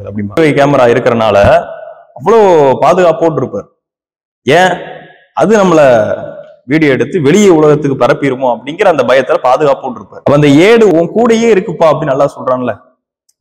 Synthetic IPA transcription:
ɐpːɐɽɪɐʋɐɪkeːmɐɾaːɪɾɯkːɪɾɐna̰ːlɐ | ɐʋːɐɭoːpaːðɯɣaːpoːɳɖɪɾɯpːa̰ːɾ | ẽː | ɐðɯnɐmːɐɭɐ | ʋiːɽɪɛɽɯt̪ːɯʋɛɭɪjɐʊɭɐɣɐt̪ːɯkːɯpɐɾɐpːɪɾɯmõːɐpːɐɽɪŋɡɪɾɐɐnd̪ɐbɐjɐt̪ːɪlɐpaːðɯɣaːpoːɳɖɪɾɯpːaːɾɐpːɐɐnd̪ɐeːɽɯokuːɽɐjeːɪɾɯkːɯpːaːɐp̬ːɐɽɪninɐlːaːsɔlɾaːŋɐlːɐ

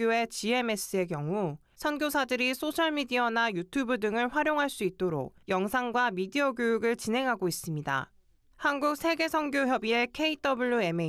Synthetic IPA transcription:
oe̞t͡ɕie̞me̞s͈ɯe̞k̬jʌŋu | sʰʌnɡʲjosʰadɯɾisʰoɕʰʌɭmidiʌnajutʰubɯdɯŋɯɭɸwaɾjoŋɦaɭs͈uit̚t͈oɾo̰k̚jʌŋsʰaŋɡwamidiʌɡjojuɡɯɭt͡ɕine̞ŋɦaɡois͈ɯmɲida̰ | hanɡuk̚s͈ʰe̞ɡe̞sʰʌnɡjojʌbie̞kʰe̞itʰʌbuɭːue̞me

